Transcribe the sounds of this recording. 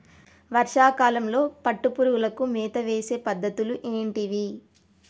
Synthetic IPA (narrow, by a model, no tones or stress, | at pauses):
ʋɐɾʂaːkaːlɐmlo̞ːpɐʈːupuɾuɡulɐkumɛːt̪ɐʋeːse̞ːpɐd̪ːɐt̪uluʔeːɳʈiʋi